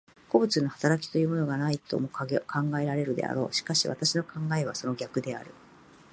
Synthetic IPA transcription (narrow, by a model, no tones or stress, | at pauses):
ko̞bɯ̟t͡sɨnohḁt̪aɾakʲi̥t̪o̞jɯ̟ːmo̞no̞ɡanait̪o̞̰mokʰãŋɡae̞ɾaɾe̞ɾɯ̟d̪e̞̰a̰ɾo̞̰ːɕi̥kaɕiβa̰t̪aɕino̞kãŋɡae̞β̞a̰so̞no̞ɡʲakɯ̟d̪e̞a̰ɾɯ̟